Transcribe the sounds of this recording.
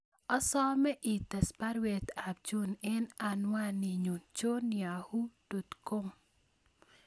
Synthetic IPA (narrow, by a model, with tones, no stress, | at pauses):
ɔ˦sɔ˦mɛ˦ʔi˨tɛ˨spa˦ɾwɛ˨ta˨b̚d͡ʒu˦nɛ˦na˨nwa˦ni˨ɲo˨t͡ʃo˦nja˨hu˦d̥o˨t̪ko˦m